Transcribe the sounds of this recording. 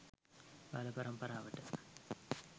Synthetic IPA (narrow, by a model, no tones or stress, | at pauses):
pa̰lɐbɐɾɐmpɐɾaːʋɐʈːɨ